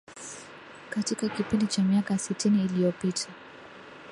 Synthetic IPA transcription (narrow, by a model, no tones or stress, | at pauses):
katikakipindit͡ʃamiakasitiniːlijɔpitʰa